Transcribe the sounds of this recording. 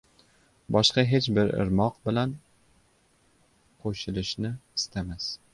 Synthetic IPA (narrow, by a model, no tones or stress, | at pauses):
bɒʃqɑɦe̞t͡ʃbɪɾɪ̰ɾmɒqbɪlan | qʰoʃɪlɪʃnɪɪst̪ʰamas